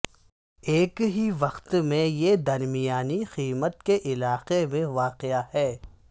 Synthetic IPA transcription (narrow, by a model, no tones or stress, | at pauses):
eːkɦiʋɐqt̪mẽjed̪ɐɾmijaːnixiːmət̪̚keʔɪlaːqemẽʋaːqɪahɛː